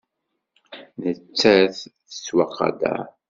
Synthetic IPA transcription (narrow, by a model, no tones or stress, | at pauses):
nət͡sːæθθə̥swɑqːɑ̰d̪æ̰